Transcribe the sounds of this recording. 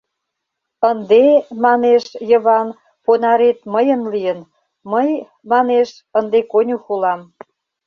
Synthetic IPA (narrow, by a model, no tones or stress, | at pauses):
ənd̪emɑneʃjəβɑn | ponɑɾet̪məjənlijən | məj | mɑneʃ | ənd̪ekonʲuxulɑm